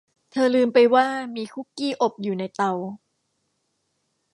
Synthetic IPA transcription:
t̪ʰɤː˧lɯː˧mpa˧jwaː˥˩miː˧kʰu˥˩kiː˥˩ʔo˨˩p̚juː˨˩na˧jt̪a˧w

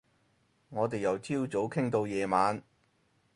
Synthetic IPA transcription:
ŋɔː˨˧t̪e˨jɐ˨wt͡sʰiː˥wt͡so˨˥wkʰɪ˥ŋt̪o˧wjɛː˨˧maː˨˧n

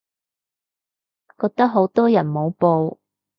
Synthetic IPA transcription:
kɔː˧k̚t̪ɐ˥k̚ɦo˨˥wt̪ɔː˥jɐ˨˩nmo˨˧wpo˧w

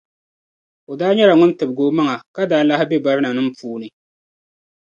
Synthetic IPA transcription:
o˨daː˦ɲɛ˦la˨ŋʊ˦n˦tɨ˨bɡoː˨˦ma˦ŋa˨ka˦daː˦la˦hɪ˦bɛ˦ba˦ɾɨ˦na˨nɨ˦m̩˦puː˦nɨ˨

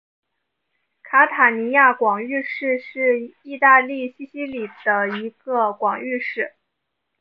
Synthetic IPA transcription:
kʰa˧˥t̪ʰa˨˩ni˧˥ja˥˩kwɑ˨˩ŋy˥˧ʂɻ̩˥˧ʂɻ̩˥˧i˥˧t̪a˥˧li˥˩ɕi˥˩ɕi˧˥li˨˩d̪ə˦i˧˥ɡə˧kwɑ˨˩ŋy˥˧ʂɻ̩˥˩

